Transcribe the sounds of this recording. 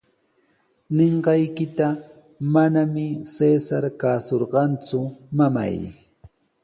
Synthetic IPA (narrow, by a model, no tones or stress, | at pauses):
neɴɢɑjkɪt̪a | manamɪsesaɾkaːsoɾɢɑnt͡sʊmama̰j